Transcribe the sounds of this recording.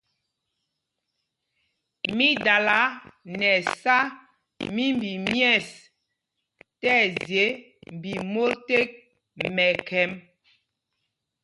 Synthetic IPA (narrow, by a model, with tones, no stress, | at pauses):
mi˦da˨la˨˦nɛ˨sa˦ | mi˦mbi˨mjɛ˦˨s | tɛ˦˨zje˨˦ | m˨bi˨mo˦lte˦k̚ | mɛ˨kɛ˨˦m